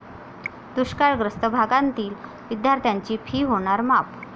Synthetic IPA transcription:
d̪̥uɕkaɾɡɾəst̪əbʱaɡãnt̪iːl | ʋid̪jaɾt̪ʰjaɲt͡ɕiːpʰiːɦoɽ̃aɾmap

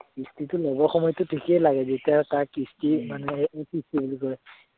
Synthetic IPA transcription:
istitʊlɔbɔxɔmɔjtʊtʰikɛjlaɡɛzetijatakistimanɛkistibulikɔɹɛ

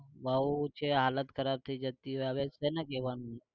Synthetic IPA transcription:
ʋaut͡ʃʰeɦaːlət̪kʰəɾaːb̚t̪ʰəid͡ʒat̪iɦoːeɐʋesenəkeʋaːnũ

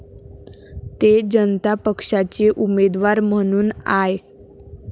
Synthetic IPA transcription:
t̪ed͡ʑənt̪apəkʂat͡seʔumed̪ʋaɾm̤əɽ̃uːnae

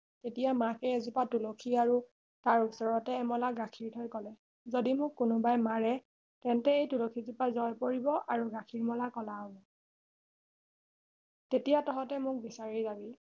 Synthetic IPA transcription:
tetijamakɛɛzupatulokʰiaɹu | taɹusɔɹɔtɛːmɔlaɡakʰiɹtʰɔjkɔlɛ | zodimʊkkːʊnʊbajmaɹɛ | tɛntɛejtulokʰizupazɔjpoɹibɔʔaɹuɡakʰiɹmɔlakɔlaɔbɔ | tetijatɔɦɔtɛmʊk̚bisaɹizabi

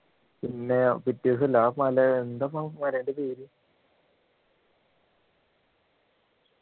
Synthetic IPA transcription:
pinːepitːisɨlaːpmɐlɐend̪amamɐlɐɳɖepeːɾi

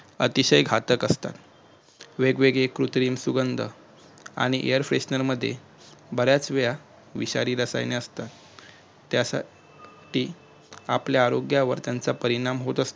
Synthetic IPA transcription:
ə̰t̪iɕəjɡʱat̪əkəst̪a̰t̪ | ʋeɡʋeɡekɾut̪ɾiːmsuɡənd̪ʱə̰ | a̰ɽ̃iʔḛjəɾfɾesnəɾməd̪ʱːjḛ | bəɾjat͡sʋeja | ʋiɕa̰ɾiːɾəsa̰jneəst̪at̪ː | jasa̰ | ʈiː | apljaːɾoɡjaʋə̰ɾt̪jant͡sapəɾiɽ̃amɦot̪əst̪o

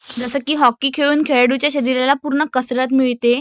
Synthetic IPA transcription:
d͡zəsəkiːɦɔkːiːkʰeɭuːnkʰeɭɽut͡ɕjaɕəɾiɾalapuɾɳəkəsɾət̪miɭt̪e

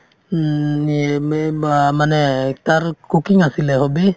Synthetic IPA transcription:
amanɛt̪aɾkukiŋasilɛhɔbe

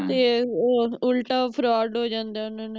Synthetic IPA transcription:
t̪eː | ʊlʈaːpʰɾaːɖɦoːd͡ʒãːnd̪aːʊnãːne

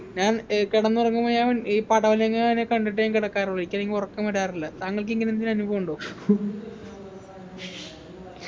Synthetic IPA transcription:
ɲaːnkiɽɐnːɨurɐŋːumoːjɐʋɐniːpɐɽɐʋɐlɐjɐŋːɐɭɐnːekɐɳɖiʈːɨjaːnŋkiɽɐkːaːruɭːɐikʲːɐleŋɡiurɐkːɐmɐɾaːrilːɐt̪aːŋːɐɭk̬iŋɡɐnend̪inɐnuboːuɳɖoː

